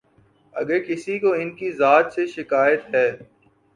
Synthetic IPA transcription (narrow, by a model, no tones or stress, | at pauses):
ɐ̰ɡəɾkɪsikoɪnkizaːt̪seʃɪkaːjət̪ɦɛː